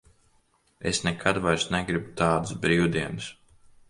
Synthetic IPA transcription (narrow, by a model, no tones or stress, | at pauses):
ḛsnɛkʰad̪vajɾsnɛɡɾibut̪aːd̪ɨsbɾiːwd̪iɛns